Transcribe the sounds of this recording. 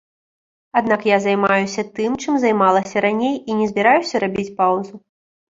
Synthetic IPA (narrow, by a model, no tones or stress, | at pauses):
ad̪nakjazajmajusʲɐt̪ɨmt͡ʂɨmzajmalˠɐsʲɐɾanʲejinʲɛzʲbʲɛɾajusʲɐɾabʲit͡sʲpawzu